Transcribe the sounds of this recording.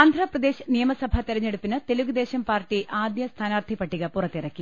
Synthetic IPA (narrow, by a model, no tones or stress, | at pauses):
aːnd̪ʱrɐprɐd̪e̞ːɕnijɐmɐsɐbʱɐt̪iɾɐɲːeɽupːinɨt̪e̞luɣɨd̪e̞ːɕɐmpaːrʈiʔaːd̪jɐst̪ʰaːnaːrt̪ʰipːɐʈːiɣɐpurɐt̪ːirɐkːi